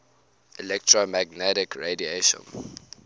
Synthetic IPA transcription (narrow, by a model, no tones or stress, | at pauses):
ʔilɛktʰɹomæɡnɛɾɪkʰɹedieʃɔ̰̃n